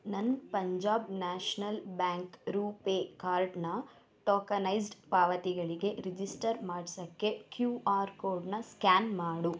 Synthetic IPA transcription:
nɐnpɐɲd͡ʒaːbnaːʃnɐlbaːŋkɾuːpeːkaːɾɖnɐ | ʈɔːkɐnɐjs̬ɖpaːʋɐt̪iɡɐɭiɡe̞ɾid͡ʒisʈɐɾmaːɖsɐkːe̞kjuːaːɾkoːɾɖnɐskaːnmaːɽu

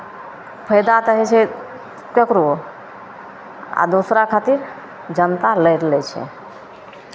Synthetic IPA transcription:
pʰəjd̪at̪əɦɛt͡ʃʰɛ | kəkɾo | a̰d̪osɾakʰat̪iɾ | d͡ʒənt̪aləjɾlɛt͡ʃʰɛ̰

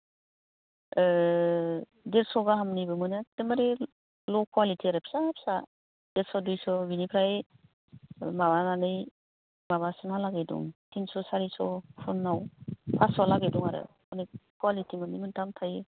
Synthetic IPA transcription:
deɾsɔɡaɦamnibɯmɯnɯdemaɾe | lɔkʰuwalitʰiaɾɯpʰi̥sapʰsa | deɾsɔdujsɔbinipʰɾaj | mabananɯj | maβasɯnalaɡedṵŋtʰinsɔsaɾisɔpʰunːawpʰasɔlaɡeduŋaɾɯ̰ | ɔnikwalitʰimɯnimɯntʰamtʰaj

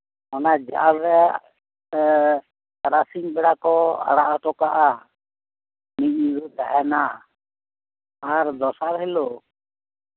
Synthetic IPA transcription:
ɔnad͡ʒa̰ʔaɽɾɛ | aɾasiɲbɛɽakɔa̰ɽaʔaʈɔkaʔa | mic̚ɲiɾut̪aɦɛna | aɾd̪ɔsaɾhɛlo

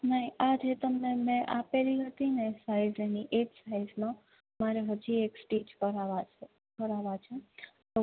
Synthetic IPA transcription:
nəɦĩad͡ʒet̪əmnemɛ̃ʔapeliɦət̪inesaijzeniʔed͡ʒsaizmã | maɾeɦəd͡ʒieksʈid͡ʒkəɾaʋa | kəɾaʋat͡ʃʰet̪o

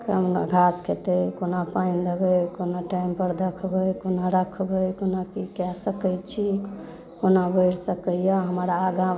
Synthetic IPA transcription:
kəmɡʱaskʰet̪əjkonapajnd̪əbəjkonaʈaimpəɾd̪əkʰbəjkonaɾəkʰbəjkonakikɛsəkəjt͡ʃʰi | konabəjɾsəkəjaɦəmɾaːɡã

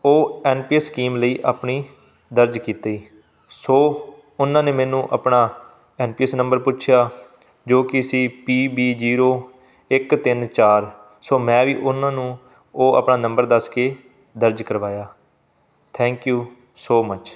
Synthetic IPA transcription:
oːɛːnpiːɛsːkiːmləiːʔaːpɳiː | d̪əɾd͡ʒkiːt̪aiː | soː | ʊnãːneːmɛːnũːʔə̰pnaː | ɛːnpiːɛsnə̃mbəɾpʊʃʰjaː | d͡ʒoːkɪəsĩːpiːbiːd͡ʒiːɾoː | ɪkt̪ɪnt͡ʃaːɾ | soːmɛ̃ːʋḭːʔʊnãːnũː | oːə̰pnaːnə̃mbəɾd̪əskeː | d̪əɾd͡ʒkəɾʋaːjaː | t̪ʰɛ̃ːŋkjuː | soːmət͡ʃ

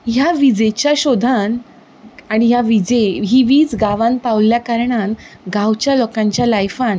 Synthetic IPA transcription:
ɦjaʋid͡ʑet͡ɕjaɕod̪ʱan | aɽ̃iɦjaʋid͡ʑeɦiʋiːt͡sɡaʋãnpaʋljakaɾɳan | ɡawt͡ɕjalokãɲt͡ɕjalajfan

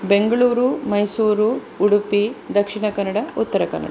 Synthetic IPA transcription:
beŋɡɐɭuːɾumɐjsuːɾuː | ɽupid̪ɐkʂiɳɐkɐnːɐɽɐut̪ːɐɾɐkɐ̰nːɐ̰ɽɐ

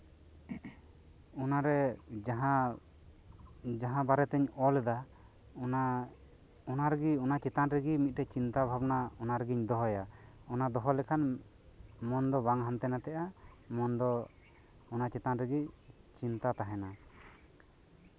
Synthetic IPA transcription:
ɔnaɾɛd͡ʒaɦa | d͡ʒaɦãbaɾɛt̪ɛɲɔlɛd̪a | n | ɔnaɾɛɡiɔnat͡ʃɛt̪anɾɛɡimit̪̚ˀʈɛt͡ʃint̪abʱabnaɔnaɾɛɡiɲd̪ɔɦɔjaɔnad̪ɔɦɔlɛkʰan | mɔnd̪ɔbaŋɦant̪ɛnat̪ɛʔa | mɔnd̪ɔ | ɔnat͡ʃɛt̪anɾɛɡit͡ʃint̪at̪aɦɛna

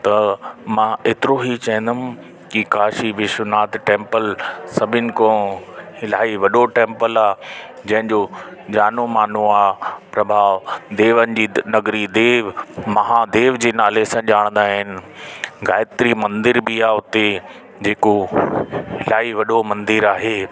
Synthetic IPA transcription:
t̪ɐmãeːt̪ɪɾoɦit͡ɕɐ̃ɦɪ̃n̆d̪ɐmɪ̃ | kikaːʃiʋɪʃnaːt̪ʈẽːmpəlsɐbʱɪnɪ̆kõhɪlaːiʋɐɗoʈẽːmpəlaːd͡ʑɐ̃ɦɪ̃ɲd͡ʑod͡ʑaːnomaːn̤ũaːpɾɐbʱaːʋd̪eːʋənɪ̆d͡ʑiːnɐɡɾid̪eːʋmɐɦaːd̪eːʋd͡ʑeːnaːlesãːʄaːɽ̃nd̪aːɦɪnɪ̆ɣaːɪt̪ɾimɐ̃nd̪ɪɾbɪaːʊt̪e | d͡ʑeːko | ɦɪlaːiʋɐɗomɐ̃nd̪ɪɾaːɦeː

